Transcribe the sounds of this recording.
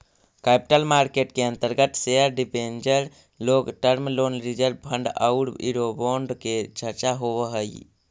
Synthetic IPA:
kapi̥ʈəlmaɾkeʈkeənt̪əɾɡət̪seəɾɖipend͡ʒəɾ | loɡʈəɾmlonɾid͡ʒəɾbbʱəɳɖə̰ɽḭɾoboɳɖket͡ʃʰəɾt͡ʃaɦoβəɦəj

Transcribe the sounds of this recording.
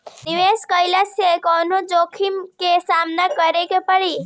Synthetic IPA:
niʋeskəjlasekɔnod͡ʒokʰimkesamnakəɾekepəɽi

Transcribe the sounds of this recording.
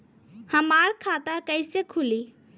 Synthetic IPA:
hɐmaːɾkʰaːt̪akəɪsekʰʊli

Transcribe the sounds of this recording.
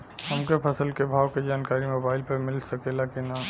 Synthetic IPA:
həmkepʰəsəlkebʱaːwked͡ʒaːnkaːɾimoːbaːɪlpɐɾmɪlsəkelakena

